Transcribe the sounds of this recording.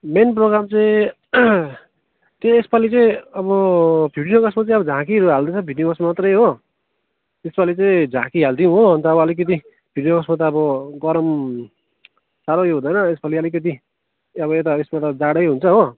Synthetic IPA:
menproɡɾamt͡sʌĩ | t̪eespalit͡saĩʌbʌbʱiɽijokʌsmat͡saĩʌbʌd͡zʱãkiɾuɦald̪ʌt͡sʰʌbʱiɖijokʌsmamat̪rʌjɦo | espalit͡sʌĩd͡zʱãkiɦald̪iũɦoʌnt̪ʌːbʌʌlik̬ʌt̪̬i | b̥ʱiɖijokʌsmat̪̬ʌːbʌɡʌɾʌm | saɾojoɦũd̪ʌjnʌespaliʌlik̬ʌt̪̬i | ʌβʌet̪aesmat̪ʌd͡zaɽʌjɦunt͡sʰʌɦo

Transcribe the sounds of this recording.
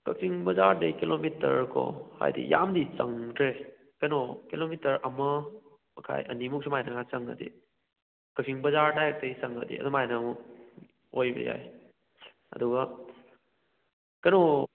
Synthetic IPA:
kɐk̚siŋbɐzaɾdɐjkilomitɐ̰ɾkʰɔ̰ha̰jdḭjamdit͡ʃɐŋtʰɾe | kɐnokilomitɐɾɐmɐ | ɐkʰa̰jʔɐnimuk̚simajnɐŋat͡ʃɐŋɐ̰dḭ | kɐk̚sʰiŋbɐzaɾdajek̚dejsɐŋədḭɐ̰dumajnɐmu | ojbɐ̰ja̰j | ɐduɡa | kɐno

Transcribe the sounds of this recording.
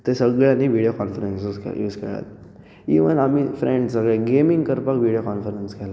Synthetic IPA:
t̪esəɡɭjanːiʋiɽijokɔnfəɾensjuskjuːskḛɭa̰t̪ | ḭʋənamifɾeɳɖsəɡɭeɡemiŋɡkəɾpakʋiɽijokɔnfəɾenskɛla

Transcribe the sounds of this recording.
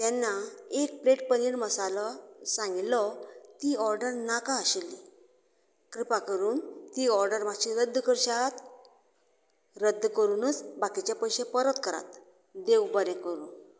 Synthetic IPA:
t̪jɛnːaek̚pɾeʈ̚pəniɽməsalɔsãŋɡilɔt̪iːɔɾɖəɾnakaəɕelːi | kɾipakəɾuːnt̪iːɔɾɖəɾmaɡɕiɾəd̪ːkəɾɕat̪ | ɾəd̪ʱːkəɾuːnət͡sbakit͡ɕjapəjɕepəɾət̪kəɾa̰t̪ | d̪ewbəɾɛ̃kəɾṵːn

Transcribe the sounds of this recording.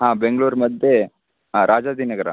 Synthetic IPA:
ɦãːbeŋɡɭuːɾmɐd̪ʱje | ɾʔaːd͡ʒaːd̪iːnɐɡɐɾɐ̰

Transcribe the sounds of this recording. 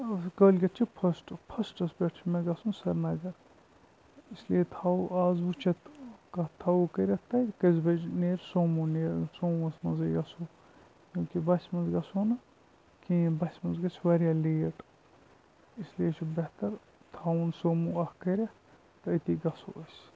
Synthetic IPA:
kəːlʲɡɐt̪̚t͡ʃʰipʰɐsʈpʰɐsʈɐsbeʈʰt͡ʃʰmeɡɐsũːnsɐɾnɐɡɐɾ | islijet̪ʰauʔaːzʋut͡ʃʰɐt̪kɐt̪ʰɐukɐɾʲɐt̪ɐkɐzbɐd͡ʒneːɾsoːmuneːɾsoːʋɐsmɐnzɐɡɐsuː | juːkibɐsʲmɐnzɡɐsoːnɐ | kĩːbɐsʲmɐnzɡɐt͡ʃʰʲʋɐɾʲjaːleːʈ | islijet͡ʃʰibɐht̪ɐɾ | t̪ʰɐunsoːmuːɐhkɐɾʲɐ | t̪ɐət̪iːɡɐso̰ːɐsʲ

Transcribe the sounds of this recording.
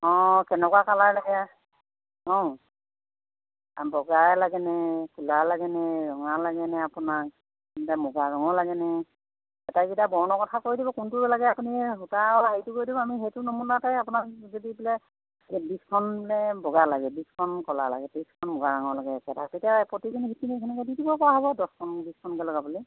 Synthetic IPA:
ɔ̃kɛnɛkwakalaɹlaɡɛa | ɔ̃ | bɔɡalaɡɛnɛkʰulalaɡɛnɛzɔŋalaɡɛnɛapunak̚ | tamɔɡaɡaŋɔlaɡɛnɛ | ɛtakitabɔɹnɔkɔtʰakoɹidibɔkʊntuɹɛlaɡɛapuniɦutaɔaejtʊkoɹjdibɔamiɦejtʊnomunatajapunakzodibilɛ | biskʰɔnblɛbɔɡalaɡɛbiskʰɔnkɔla̰la̰ɡɛtiskʰɔnmɔɡaɹaŋɔlaɡɛkɛta̰tetijapɹotikʰinihitiniekʰɛnɛkɔdidibɔkɔɹaɦɔβɔdɔskʰɔnbiskʰɔnkɛlɔɡabuli

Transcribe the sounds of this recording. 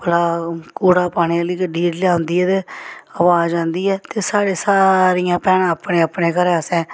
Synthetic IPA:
pəlaːkuːɽaːpaːɽ̃ialiːkəɖiːɾlɪjaːɦʊ̃nd̪iːɛːt̪eəʋaːãːnd̪iːɛːt̪eːsaːɾeːsaːɾijãːpɛːnãːəpneːəpneːkəɾaːsɛ̃ː

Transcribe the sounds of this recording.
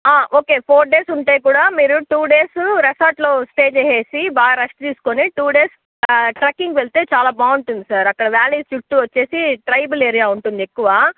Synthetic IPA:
aːʔo̞ːke̞ːpʰoːɾ̚ɖe̞ːsuɳʈe̞ːk̬uːɽaːmiːɾuʈuːɖeːsɾesaːʈlo̞ːsʈe̞ːt͡ʃeːje̞ːsibaːɐɾɐsʈt̪iːsu̥koniʈuːɖe̞ːs | ʈɾɐkːiŋɡʋeɭt̪e̞ːt͡ʃaːlaːbaːuɳʈund̪isaːɾɐkːɐɽɐʋjaːliːsukʈːuʋɐt͡ʃːe̞ːsiʈɾɐjbɐle̞ːɾijaːuɳʈund̪iekːuʋaː

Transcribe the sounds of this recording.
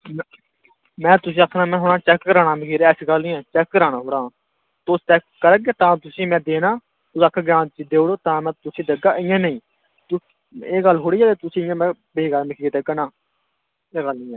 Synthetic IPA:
mɛ̃ːt̪ʊsĩːəkʰnãːmɛ̃ːɦoːɽãːt͡ʃɛkːəɾaːnaːmɪkʰiːɾɛːsiːɡəlnĩːɛ̃ːt͡ʃɛːkːəɾaːɽ̃aːɦoːɽãː | t̪oːst͡ʃɛːkːəɾəɡeːt̪ãːt̪ʊsĩːmɛ̃ːd̪eːnaː | t̪ʊsəkʰːaɡɾãːnt͡ʃid̪eːɦoːɽoːt̪ãːmɛ̃ːt̪ʊsĩːd̪əɡaːɪjãːnəĩː | t̪ʊ | eːɡəlːɦoːɽiːɛːt̪eːt̪ʊsĩɪjãːmɛ̃ː | beːɡəlmɪkʰːd̪eɡənãː | eːɡəlnĩːɛː

